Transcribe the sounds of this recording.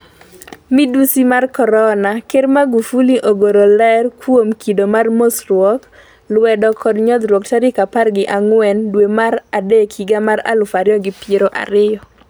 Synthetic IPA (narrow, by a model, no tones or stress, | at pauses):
midusimarkɔɾɔnakeɾmaɡufuliʔoɡoɾolɛrkwomkʰidomarmosrwɔk | lwɛdɔkɔdɲɔd̪ɾwɔktaɾɪkaparɡɪʔaŋwɛndwemaɾadekiɡamaɾa̰lʊfaɾjɔɡɪpjeɾoʔa̰ɾɪjɔ